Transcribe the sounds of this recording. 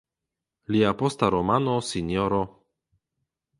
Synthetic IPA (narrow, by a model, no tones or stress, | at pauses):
liapostaɾomanosinjoɾo